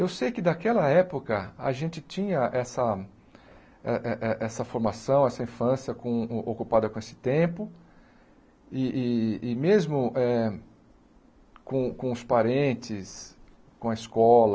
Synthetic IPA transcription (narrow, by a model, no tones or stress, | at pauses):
ewsejkɪd̪akɛlɐɛpokɐa̰ʒẽnt͡ʃɪt͡ʃĩɲɐʔɛsɐ | ɛʔɛʔɛʔɛsɐfoɾmasɐ̃w̃ɛsɐĩfɐ̃sjɐkõokupad̪ɐkõesɪ̥t̪ẽpʊ | ɪʔːmezmʊʔɛ | kõkõʊspaɾẽnt͡ʃɪs | kõɐiskɔlɐ